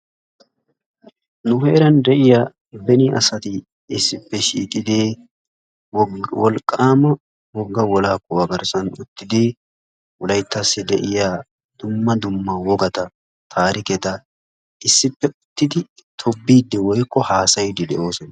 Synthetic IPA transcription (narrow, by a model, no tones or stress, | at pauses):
nʊheːɾɐnd̪ɛʔɪjaː | bɛniʔɐ̰sɐt̪ɪ | ɪsːɪpːɛʃiːkʼɪd̪eː | wɔlkʼːaːmɐ | wɔɡːɐwɔlaːkːɔwɐɡɐɾsɐnʊ̰t̪ːɪd̪eː | wɔlɐjt̪ːasːɪd̪ɛʔɪjaː | d̪̥ʊmːɐd̪ʊmːɐwɔɡɐt̪ɐ | t̪ʰaːɾɪkɛt̪ɐ | ɪsːɪpːɛʊt̪ːɪd̪ɪ | t̪ʰɔbːiːd̪ːɛwɔjkːɔhaːsɐjd̪ɪd̪ɛʔo̞ːsɔnɐ